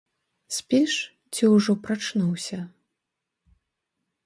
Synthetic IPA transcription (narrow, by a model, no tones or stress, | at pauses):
sʲpʲɛʂ | t͡sʲiwʐɔpɾat͡ʂnuwsʲɐ